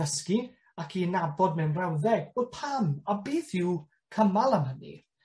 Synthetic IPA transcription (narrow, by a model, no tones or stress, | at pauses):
əski | akʰinabɔd̚mɛwnrɛwðɛɡ̚bodpʰamabiːθɪw | kʰəmalˠəmɦənḭ